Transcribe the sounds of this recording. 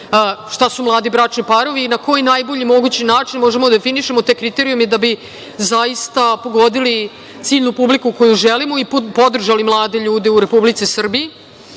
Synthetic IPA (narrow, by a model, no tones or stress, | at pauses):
ʂt̪asumlˠaːd̪ibɾat͡ʂnipaɾo̞ʋiːnako̞jinajbo̞ʎimo̞ɡut͡ɕinaːt͡ʂinmo̞ʒemod̪ad̪efiniʃemot̪ekɾit̪eɾiumed̪abi | zaist̪apo̞ɡo̞d̪ili | t̪siːʎnupublikukojuʒelimoipo̞d̪r̩ʒalimlˠaːd̪eʎuːd̪e̞uɾe̞publit̪sisr̩bii